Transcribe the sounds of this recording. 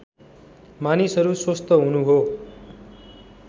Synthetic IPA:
manisʌɾuswost̪ʌɦunuɦo

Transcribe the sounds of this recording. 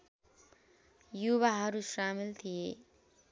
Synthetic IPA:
juβaɦʌɾusamilt̪ʰije

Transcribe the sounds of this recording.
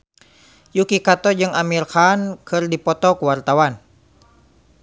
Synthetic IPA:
jukikat̪ɔd͡ʒɨŋamirxankɨrdipɔt̪ɔkuwart̪awan

